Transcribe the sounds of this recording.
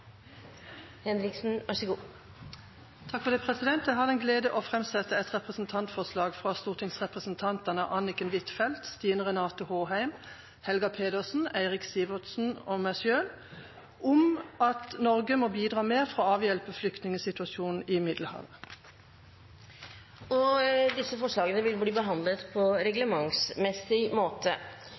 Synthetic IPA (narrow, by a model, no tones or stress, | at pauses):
hɛnɾɪksn̩ʋɑʂəɡuː | t̪ʰɑkfɔʁd̪eːpʰʁɛsɪd̪ɛnt̪jɛɦɑd̪ɛnɡleːd̪əʔoːfʁɛmsɛt̪əɛt̪ʁɛpʁəsn̩t̪ʰɑnt̪fɔʁslɑːɡfʁɑst̪uːʁt̪ʰɪŋsʁɛpʁəsn̩t̪ʰɑnt̪ənəʔɑnɪkənʋɪt̪fɛlt̪st̪iːnəʁɛnɑːt̪ʊhoːhæɪm | hɛlɡɑpʰeːd̪əsn̩æɪʁɪksiːʋɔt̪sn̩oːmæsøːl | ʔʊmɑt̪nɔʁɡəmoːbiːd̪ʁɑːmeːʁfʁoːɑːʋjɛlpəflʏkt̪nɪŋəsɪt̪ʉɑʃuːnn̩ɪmɪd̪l̩hɑ̰ːʋə | ɔd̪ɪsːəfɔʂɭɑːɡənəʋɪlbliːbəɦɑnd̪lət̪pʰɔɾɛɡləmɑŋsmɛsɪmoːt̪ʰə